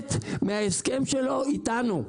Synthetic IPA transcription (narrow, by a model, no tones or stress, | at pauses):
t̪meaeskemʃeloit̪anu